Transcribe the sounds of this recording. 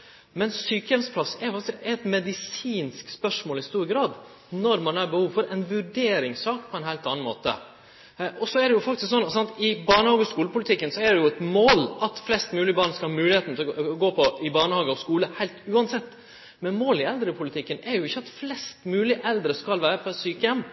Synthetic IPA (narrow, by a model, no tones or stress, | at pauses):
mɛnsyːkəɛmspʰlɑsːɛɾjʊfɑkt̪ɪsɛt̪mɛd̪ɪsiːnskspœʂmoːlɪst̪uːɾɡɾɑːd̪ | nɔɾmɑnhɑːɾbɛhuːʋfɔɾɛɪnʋʉɖeːɾɪŋsɑːkpʰɔɛnhæɪt̪ɑnːn̩mo̰ːt̪ə̰ | ʔɔsɔæɖ̪ɛjʊfɑkt̪ɪsksɔnːsɑnt̪ɪbɑːɳəhɑːɡəɔskuːləpʊlɪt̪ʰɪkːənsɔæɖɛjʊɛt̪moːlʔɑt̪flɛst̪mʉːlɪəbɑɳskɑlhɑːmʉːlɪheːt̪n̩t̪ʰɪlɡoːpʰɔɪbɑːɳəhɑːɡəɔskuːləhæɪlt̪ʉːɑnsɛt̪ː | mɛnmoːlɪɛld̪ɾəpʰʊlɪt̪ʰɪkːənɛɾjʊɪçːəɑt̪flɛst̪mʉːlɪʔɛld̪ɾəskɑlʋæːɾəpʰɔɛsyːkəjɛmː